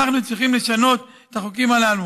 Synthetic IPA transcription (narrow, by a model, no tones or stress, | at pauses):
aχnut͡sʁiχimle̞ʃano̞t̪et̪aχokimalalu